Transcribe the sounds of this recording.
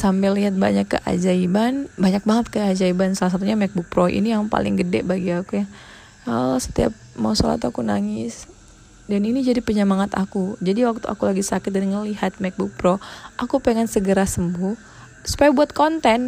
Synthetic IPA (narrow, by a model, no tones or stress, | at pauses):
sampɛlːiɦat̪̚ba̰ɲakːə̰ʔa̰d͡ʒaibanbaɲak̚baŋət̪̚kəad͡ʒaibansalas̬at̪̬uɲamɛk̚buk̚pɾoḭnijaŋpa̰lɪ̰ŋɡədɛ̰ʔbaɡiakuja | əsə̥t̪ia̰p̚ma̰uso̰la̰t̪akuna̰ŋɪs | daninid͡ʒadipəɲəmaŋat̪a̰kud͡ʒadiwak̚t̪uʔa̰kulaɡisakɪt̪̚danŋəliɦat̪̚mɛk̚buk̚pɾoʔakupeŋɛnsəɡəɾasəmbuh | su̥pajabuat̪̚kont̪ɛn